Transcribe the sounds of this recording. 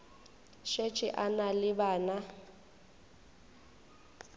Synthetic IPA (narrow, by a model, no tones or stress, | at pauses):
ʃet͡ʃʼɪʔanalɪbaːna